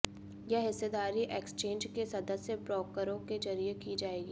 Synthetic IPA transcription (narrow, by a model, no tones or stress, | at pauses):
jɛɦɪsːed̪aːɾiʔeːkst͡ʃẽːnd͡ʒkesɐd̪əsjəpɾɔːkəɾõked͡ʒɐɾijekid͡ʒaːeːɡiː